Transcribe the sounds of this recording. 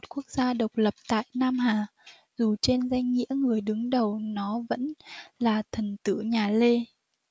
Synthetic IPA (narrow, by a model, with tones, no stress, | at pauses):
o˨˩t̚ku˦˥ək̚zaː˧ɗə˨˩wk͡p̚lə˨˩p̚t̪a̰ː˧˨jnaː˧mɦaː˨˩ | zu˨˩t͡ɕe˧nza˧jŋ̟ŋḭ˧˥əŋɨ˨˩əjɗɨ˨˦ŋɗə˨˩wnɔ˨˦və̰˧˥nlaː˨˩t̪ʰə˨˩nt̪ɨ̰˧˩ɲaː˨˩le˧